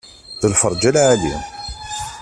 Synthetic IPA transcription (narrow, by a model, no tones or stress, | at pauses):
ðəlfəɾˤd͡ʒælʕalim